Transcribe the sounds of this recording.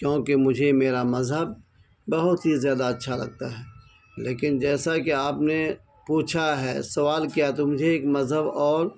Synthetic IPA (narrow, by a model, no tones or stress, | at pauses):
kjõːkemʊd͡ʒʱemeːɾamɐzɦəb̚ː | ɐɦʊt̪ɦizjaːd̪aɐtːʃʰalɐ̰ɡ̚t̪aɦɛː | leːkɪnd͡ʒɛːsakeaːpne | puːt͡ʃʰaɦɛ̰ːsɐʋaːlkijat̪omʊd͡ʒʱeeːkmɐzɦəbɔːɾ